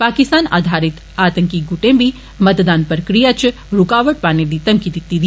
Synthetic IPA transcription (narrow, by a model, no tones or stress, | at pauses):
paːkist̪aːna̰ːd̪ʱaɾit̪ | at̪əŋkiɡuʈẽmbi | mət̪d̪aːnpəɾkɾijat͡ʃʰ | ɾukaʋəʈ̚paːnelit̪ɐmkid̪it̪ːid̪